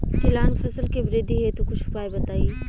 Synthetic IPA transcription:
k̪ɪlaːnfʰɐsəlkebɾeːd̪ʱiɦet̪ukʊt͡ʃʰʊpaːebɐt̪aːiː

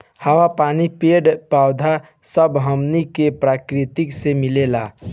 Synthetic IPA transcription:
həwapaːnipeːɖpaːʊd̪ʱa | səbɦəmnikepɾaːkɾɪt̪ɪksemɪleːla

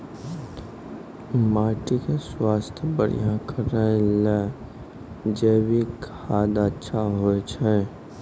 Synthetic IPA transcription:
maːʈikeswaːst̪ʰjəbəɾ̤ḭjãkʰəɾəelɛ | d͡ʒeːwikʰaːd̪ətːʃʰaɦoet͡ʃʰɛ

